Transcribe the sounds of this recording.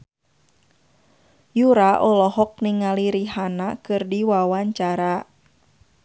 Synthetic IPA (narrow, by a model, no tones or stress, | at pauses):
juɾaʔɔlɔɦɔk̚niŋaliɾiɦanakɨrdiwawaɲt͡ʃaɾa